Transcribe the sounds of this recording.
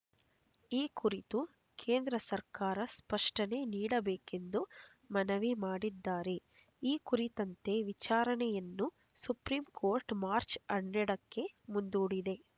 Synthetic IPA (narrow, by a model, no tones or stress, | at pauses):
iːkuɾit̪u | kʰeːnd̪ɾɐsɐɾkaːɾɐspɐʂʈɐne̞ːniːɽɐbeːke̞nd̪u | mɐnɐʋimaːɽid̪ːaːɾe̞ | iːkuɾit̪ɐnt̪e̞ʋit͡ʃaːɾɐnɛjɐnːu | supɾiːmkʰoːɾʈmaːɾt͡ʃɐɳːɛɽɐkːe̞mund̪uːɽid̪e̞